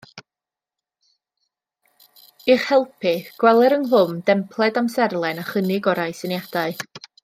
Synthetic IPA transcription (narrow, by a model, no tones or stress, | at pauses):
ɪχhɛlˠpʰɪɡ̥wɛlˠɛɾənɦʊmdɛmpʰlˠɛdamsɛrlˠɛnaχənɪɡɔɾajsənjad̥aɨ